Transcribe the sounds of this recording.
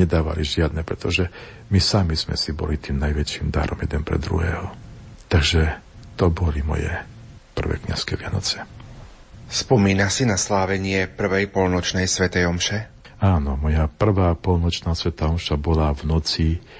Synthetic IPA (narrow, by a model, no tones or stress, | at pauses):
ɛd̪aːʋa̰liʒɪad̪̚nɛpɾɛt̪ɔʒɛ | misamiz̥mɛ̰sibɔ̰lit̪iːmnajʋɛt͡ʃimd̪a̰ɾɔmjɛd̪ɛnpɾɛ̰d̪ɾṵɦɛ̰ːɦɔt̪aɡʒɛ | t̪ɔbɔlimɔ̰jɛ̰ | pr̩ʋɛ̰kɲa̰skɛʋɪanɔt͡sɛ̥ | spɔmiːnasinaslaːʋɛɲɪɛpr̩ʋɛjpɔlnɔt͡ʃnɛjsʋɛt̪ɛjɔmʃɛ | aːnɔmɔjapr̩ʋaːpɔlnɔt͡ʃnaːsʋɛt̪aːɔmʃabɔlavnɔt͡si